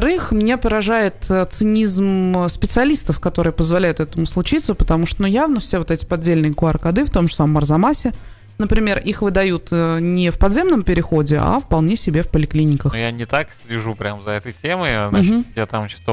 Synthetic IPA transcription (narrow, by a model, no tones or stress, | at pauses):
ɾɨxmnʲepəɾɐʐajɪt̪t̪sɨnʲizmspʲɪt̪sɨɐlʲist̪əfkɐt̪o̞ɾɨjəpəzvɐlʲæjʊt̪ɛt̪əmʊslˠʊt͡ɕit̪səpə̥t̪ɐmuʂt̪onujavnəfsʲevo̞t̪ɛtʲɪ̥pɐdʲelʲnɨjəkʊarkɐd̪ɨft̪o̞mʐə̥saməmərzɐmasʲɪ | nəpɾʲɪmʲe̞rʔixvɨd̪ɐjut̪ənʲɪfpɐd̪ʲzʲe̞mnəmpʲɪɾʲɪxo̞dʲɪʔa̰fpɐlˠnʲesʲɪbʲefpəlʲɪklʲinʲɪkəxjanʲɪt̪aksʲlʲɪʐupɾʲamzɐɛt̪əjtʲemɨjnajat̪amt͡ɕɪ̥t̪